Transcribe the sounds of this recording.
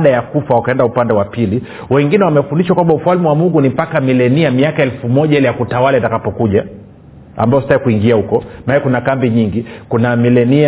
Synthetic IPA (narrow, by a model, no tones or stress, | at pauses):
ɗajakufawakaɛndaupandɛwapili | wɛŋɡinɛwamɛfundiʃakwambaufualmiwamuŋɡunimpakamilɛniamiakaɛlfumɔʄaɛlijakutawalaitakapɔkuʄa | a̰mbaɔsi̥taikuiŋɡiahukɔnaɛɛkunakambiɲiŋɡikunamilɛnia